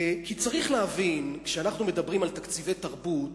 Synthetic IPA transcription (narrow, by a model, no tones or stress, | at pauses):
kit͡saʁiχleɦavinkʃeanaχnumed̪abʁimalt̪akt͡sivejt̪aʁbut̪